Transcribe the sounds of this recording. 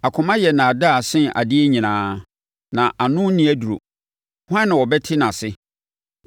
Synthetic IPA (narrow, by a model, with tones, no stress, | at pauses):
a˨kʰʊ̃˨mã˦jɛ˨nã˨a˨da˦˨sɪ̃˦ʔa̰˨dɪ˦e˦ɲĩ˨nãː˦ | nã˨ʔa˨nʊ̃˦nĩ˦æ˦du˨ɾo̰˨ | hã˦nː˦ɪ̃˨wɔ˨bɛ˦tʰɪ˦nã˨sɪ˦